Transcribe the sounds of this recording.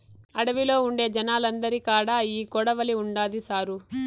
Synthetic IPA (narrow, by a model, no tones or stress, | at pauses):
ɐɽɐʋilo̞ːuɳɖe̞ːd͡ʒɐnaːlɐnd̪ɐɾikaːɽaːiːkɔɽɐʋɐliuɳɖaːd̪isaːɾu